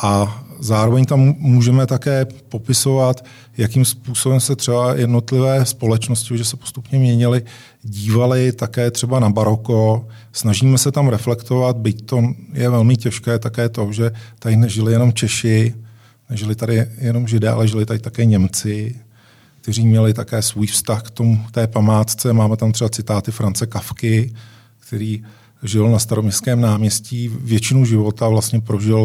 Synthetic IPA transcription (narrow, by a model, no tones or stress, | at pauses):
ʔazaːɾovɛɲt̪amːuːʒɛmɛt̪akɛːpo̞pɪso̞vat̪ | jakimspuːso̞bɛmsɛt̪r̥ɛbajʔɛdno̞t̪lɪvɛːspo̞lɛt͡ʃno̞scɪoʒɛsɛpost̪upɲɛmɲɛɲɪlɪ | ɟiːvalɪt̪akɛːt̪r̥ɛbanabaɾo̞ko | snaʒiːmɛsɛt̪amɾɛflɛkt̪ovat̪̚bɪct̪o̞jɛvɛlmɪcɛʃkɛːt̪akɛːt̪o̞ʒɛt̪aɪnɛʒɪlɪjɛno̞mt͡ʃɛʃɪ | nɛʒɪlɪt̪adɪjɛno̞mʒɪdɛːʔa̰lɛʒɪlɪt̪adɪt̪akɛːɲɛmt͡sɪ | k̚t̪ɛriːmɲɛlɪt̪akɛːsvuːjfst̪axkt̪omut̪ɛːpamaːt̪t͡sɛmaːmɛt̪amt̪r̥ɛbat͡sɪt̪aːt̪ɪfɾant͡sɛkafkɪ | kt̪ɛɾiː | ʒɪlnast̪aɾomɲɛskɛːmnaːmɲɛsciːvjɛt͡ʃɪnuʒɪvo̞t̪avlastɲɛpɾo̞ʒɪl